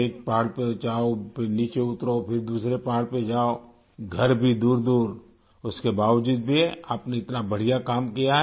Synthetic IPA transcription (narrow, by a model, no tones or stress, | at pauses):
eːk̚paːɽpet͡ʃaːopʰɪɾniːt͡ʃeʊt̪ɾopʰɪɾd̪uːsɾepaːɽped͡ʒaːo | ɡʱɐɾbʱid̪uːɾd̪uːɾ | ʊskebaːʋd͡ʒuːd̪̚bʱia̰ːpneɪt̪nabɐɽ̤ijakaːmkijaɦɛ